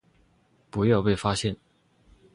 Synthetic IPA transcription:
pu˧˥jɑ˥˧ʊpe˥˩ɪfa˥ɕjɛ˥˨˩n

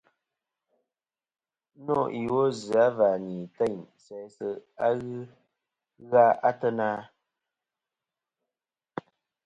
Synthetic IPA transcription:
nɔ˦˨i˨wo˦zɨ˨a˨˦va˨ni˨tɛ˦˨ɲsɛ˨˦sə˨a˦ɣɨ˦ | ɣa˦ʔa˦tə˦naː˦

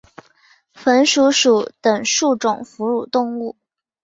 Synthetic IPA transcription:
fə˧˥nʂu˧˥ʂu˨˧˩t̪ə˨˩ŋʂu˥˩ʈ͡ʂʊ˨˩ŋfu˧˥ɻu˨˩t̪ʊ˥˧ŋu˥˩

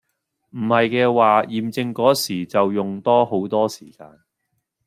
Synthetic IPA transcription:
m̩˨˩hɐ˨jkɛː˧waː˨˧jiː˨mt͡sɪ˧ŋkɔː˨˥siː˨˩t͡sɐ˨wjʊ˨ŋt̪ɔː˥ho˨˥wt̪ɔː˥siː˨˩kaː˧n

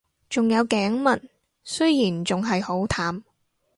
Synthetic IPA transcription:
t͡sʊ˨ŋjɐ˨˧wkɛː˨˥ŋmɐ˨˩n | sɵ˥jiː˨˩nt͡sʊ˨ŋɦɐ˨jho˨˥wt̪ʰaː˨˥m

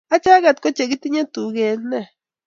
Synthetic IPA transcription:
a˦t͡ʃa˦ɡa˦˨t̪̚ko˦t͡ʃe˨ɡi˦t̪i˦ɲã˦t̪u˨ɡe˧nne˧˨

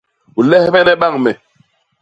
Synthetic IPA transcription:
u˨lɛ˦hbɛ˦nɛ˦ɓa˦˨ŋmɛ˨

